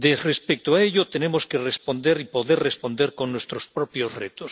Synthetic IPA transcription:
d̪ezrespek̚t̪oaeʎot̪e̞nemoskerespo̞nd̪eɾipoðeɾrespo̞nd̪eɾko̞nːwest̪ɾospɾopjozret̪os

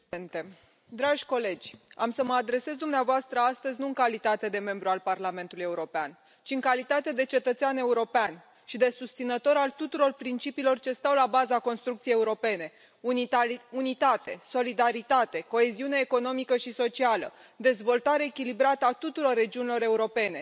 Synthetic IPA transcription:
nt̪e | d̪ɾaʒʲko̞le̞d͡ʒʲa̰msəməad̪ɾe̞se̞zd̪umneavoast̪ɾəast̪əzʲnuɨŋkalit̪at̪e̞d̪e̞me̞mbɾualparlame̞nt̪uluje̞uɾo̞pean | t͡ʃiɨŋkalit̪at̪e̞d̪e̞t͡ʃe̞t̪ət̪seane̞uɾo̞pean | ʃid̪e̞sust̪sinət̪o̞ɾalt̪ut̪uɾo̞rpɾint͡ʃipilo̞rt͡ʃe̞st̪awlabazako̞nst̪ɾuk̚t̪sijeːeuɾo̞pe̞ne̞ | uunit̪at̪e̞so̞lid̪aɾit̪at̪e̞ko̞e̞ziuneːko̞no̞mikəʃiso̞t͡ʃialə̰d̪e̞zvo̞lt̪aɾe̞ːkʲilibɾat̪əat̪ut̪uɾo̞rːe̞d͡ʒiunilo̞ɾe̞uɾo̞pe̞ne̞

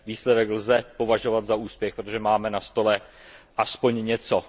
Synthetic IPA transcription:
viːslɛdɛklzɛpo̞vaʒo̞vat̪zauːspjɛxpɾot̪oʒɛmaːmɛnast̪o̞lɛʔaspo̞ɲɲɛt͡so̞

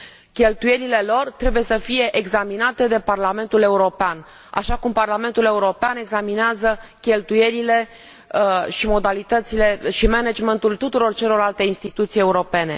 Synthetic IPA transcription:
kʲe̞lt̪uje̞ɾile̞lo̞rt̪ɾe̞buje̞səfije̞ʔeɡzaminat̪e̞d̪e̞parlame̞nt̪ule̞uɾo̞pean | a̰ʃakumparlame̞nt̪ule̞uɾo̞peane̞ɡzamineazəkʲe̞lt̪uje̞ɾile̞ | ʃimo̞d̪alit̪ət̪sile̞ʃimened͡ʒment̪ult̪ut̪uɾo̞rt͡ʃe̞lo̞ralt̪e̞inst̪it̪ut̪sije̞uɾo̞pe̞ne̞̰

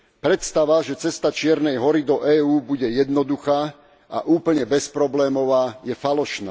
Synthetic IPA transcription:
pɾɛt̪st̪aʋaʒɛt͡sɛst̪at͡ʃɪɛɾnɛjɦɔɾid̪ɔʔɛːuːbuɟɛjɛd̪nɔd̪uxaː | ʔa̰ʔuːpl̩ɲɛbɛspɾɔblɛːmɔʋaːjɛfalɔʃna

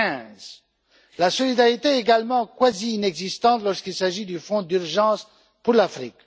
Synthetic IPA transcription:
ɛ̃z | lasɔlid̪aʁit̪eeɡalmɑ̃kwaziːnɛɡzist̪ɑ̃t̪lɔʁskilsaʒid̪yfɔ̃d̪yʁʒɑ̃s | puʁlafχḭk

